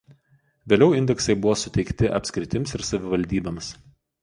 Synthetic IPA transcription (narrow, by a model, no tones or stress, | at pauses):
ʋʲeːlʲɛʊɪnʲd̪ʲɛksɐɪbʊʋoːsʊt̪ʲɛɪkt̪ʲɪʔɐ̰pʲsʲkʲɾʲɪt̪ʲɪmsɪɾsɐʋʲɪʋɐlʲd̪ʲiːbɐms